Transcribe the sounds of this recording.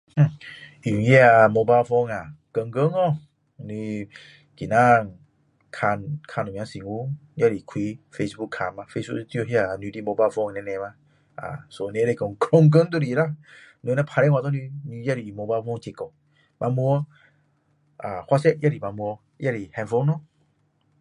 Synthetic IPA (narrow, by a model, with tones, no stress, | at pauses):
h̩˧˨i˨ji˦a˧mo˧ba˦˧fɔ˧ŋa˨kə˧ŋɡə˦ŋɔ˧˦˧ | ni˧ | ki˨na˦˨ | kʰa˧nkʰa˧nu˨m̃˨ã˨˧˦si˨ŋu˦ja˦ɾi˨kʰwi˨˦fe˧sbu˦kʰːa˨ma˧fe˧sbṵ˦kt̪jo˧˦hi˦a˧˨ni˧di˦mo˧ba˧˦˧fɔ˧˦ŋ˨nɛ̃˧˦nɛ̃˧ma˧ | a̰˨so˧˨nɛ̃˧˦ɾe˧kɔ˨˧˨ŋ˨ko˧˦ŋ˦ɡə˦ŋt̪̬o˦˨ɾi˨la˦ | nu˧nɛ̃˧pʰa˧ɾɛ˦˨wʷa˧t̪ɔ˦ni˧ni˧ja˦ɾi˨mo˧ba˧˦fɔ˧˦ŋt͡ɕe˨kɔ˨ | mʔa˧mu˧ɔ˧ | a˨hwa˦sɛ˦jʔa˦˨ɾi˨ma˧mu˧ɔ˧ | jʔa˦ɾi˨hɛ˧nfo˦ŋnɔ˦